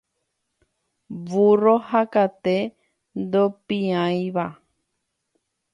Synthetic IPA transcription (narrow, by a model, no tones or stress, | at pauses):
ʋurohakat̪e | nd̪opĩãj̃ʋa